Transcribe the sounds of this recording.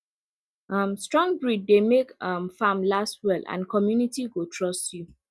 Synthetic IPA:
ʌmstɹɔ̃ŋbɹiddemekʌmfamlastwɛlã̰nkʰɔmjunitiɡotʰɹɔstju

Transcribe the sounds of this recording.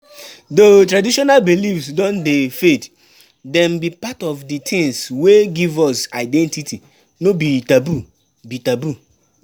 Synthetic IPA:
dotɾadiʃɔnalbilifsdɔ̃ndefet | dɛ̃mbipatɔvditʰɪ̃ŋsweɡivɔsaɪdɛ̃ntitʰi | nobitabu | bitabu

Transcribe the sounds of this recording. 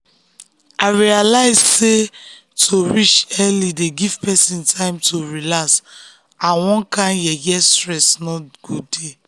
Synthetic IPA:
aɪɹialaɪzse | tʰoɹit͡ʃɛlideɡiv̥pɛsĩntʰãɪ̃mtʰoɹilas | ãwɔ̃nkãnjɛjɛstɹɛsnɔɡ̥ude

